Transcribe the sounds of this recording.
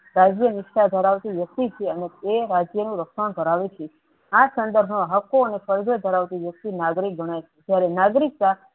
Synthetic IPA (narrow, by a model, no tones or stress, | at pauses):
ɾad͡ʒjənɪkʃad̪ʱəɾaʋt̪iʋjək̚t̪it͡ʃʰeənet̪eɾad͡ʒjənũɾəkʃaɳ̃d̪ʱəɾaʋet͡ʃʰe | asənd̪əɾbʱnoɦəkːoənefəɾd͡ʒod̪ʱəɾaʋt̪iʋjək̚t̪inaɡɾik̚bʱəɽ̃at͡ʃʰed͡ʒjaɾenaɡɾik̚t̪a